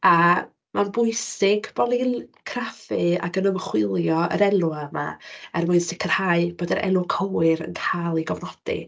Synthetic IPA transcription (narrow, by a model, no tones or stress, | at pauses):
a | manbʊɨsɪɡbɔlinkʰrafɨa̰ɡənəmχwɪlˠjɔə̰ɾɛlˠuama̰ɛrmʊɨnsɪkʰər̥haɨb̥oːdəɾʔɛ̰lʊkʰɔwɨɾə̰nkʰaːlˠiɡɔvnɔd̥ḭ